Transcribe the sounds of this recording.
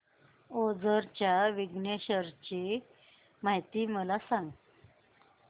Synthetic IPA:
od͡zəɾt͡ɕjaʋiɡɳeɕəɾt͡ɕe | maɦjt̪iːməlasaŋɡ

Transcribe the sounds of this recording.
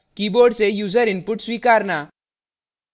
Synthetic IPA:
kiːboːɾɖsejuːzəɾɪnpʊʈswiːkaːɾnaː

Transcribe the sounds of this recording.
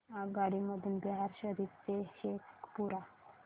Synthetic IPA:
aɡaɽiməd̪ʱuːnbɛɦaɾɕəd̪ʱit̪t͡seɕekpuɾa

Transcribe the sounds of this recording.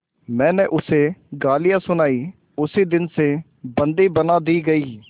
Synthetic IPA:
mɛ̃ːnẽːʔʊseːɡaːlɪjaːsʊnaːiː | ʊsiːd̪ɪnseː | bə̃nd̪iːbənaːd̪iːɡəiː

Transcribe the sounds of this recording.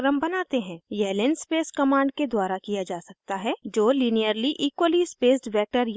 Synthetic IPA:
ɾə̃mbɐnaːt̪eɦɛ̃ːjɛːlẽnspeːskɐmãːɳɖked̪waːɾakijad͡ʒaːsɐk̚t̪aɦɛd͡ʒoːliːnijəɾliʔiːkwəlispeːsʈbɛːk̚ʈəɾ

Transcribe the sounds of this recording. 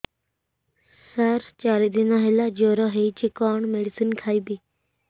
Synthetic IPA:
saɾt͡ʃaːɾid̪inaɦelad͡ʒoɾɔɦeit͡ʃikɔːɳmeɽisinkʰaːibi

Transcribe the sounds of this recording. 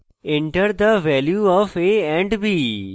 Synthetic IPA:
ɪ̃ɳʈəɾd̪əʋɛːljuːɔːfeːɛ̃ːɳɖbʱiː

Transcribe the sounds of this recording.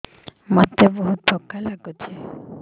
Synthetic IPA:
mat̪ːeboɦut̪̚d̪ʱɔkːalaɡut͡ʃʰe

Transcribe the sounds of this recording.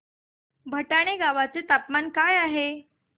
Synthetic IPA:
bʱəʈaɽ̃eɡaʋat͡set̪apmankajaɦe

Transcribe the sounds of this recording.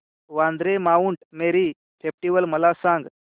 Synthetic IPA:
ʋãnd̪ɾemauɳʈmeɾiː | fʰep̚ʈiʋəlməlasãŋɡ

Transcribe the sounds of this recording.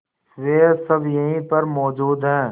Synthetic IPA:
sʋeːsɐbjɐɦĩpɐɾmɔːd͡ʒuːd̪ɦɛ̃ː

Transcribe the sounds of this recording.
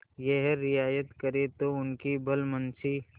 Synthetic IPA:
jeɦɛɾɪjaːjət̪kəɾet̪oʊnkibʱəlmənsi

